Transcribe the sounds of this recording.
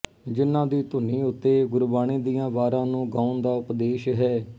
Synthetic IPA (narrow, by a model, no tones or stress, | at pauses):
d͡ʒɪnːãːd̪iːt̪ʊnĩːʊt̪ːeːɡʊɾbaːniːd̪ijãːʋaːɾãːnũːɡãːʊnd̪aːʊpd̪eːʃɦɛː